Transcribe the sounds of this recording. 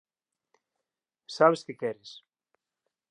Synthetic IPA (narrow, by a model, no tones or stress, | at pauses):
saβeskɪkɛɾɪs